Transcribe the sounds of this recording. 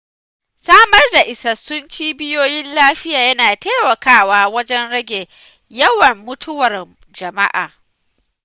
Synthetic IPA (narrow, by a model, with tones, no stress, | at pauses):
saː˦mɐ˦rda˨ʔɪ˨sɐ˨sːʊ˦nt͡ʃiː˦bɪ˦joː˦jɪ˦nlaː˦ɸɪ˦jaː˨jɐ˦naː˨teː˦mɐ˨kaː˦waː˦wɐ˦d͡ʒɛ˦nɽɐ˦ɡʲe˨ | jɐ˦wɐ˨mːʊ˦tʰʊ˦wɐ˨r | d͡ʒɐ˨ma̰˦ʔa̰ː˨